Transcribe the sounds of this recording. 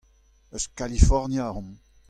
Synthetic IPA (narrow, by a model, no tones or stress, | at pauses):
œskalifɔʁnjaʁɔ̃m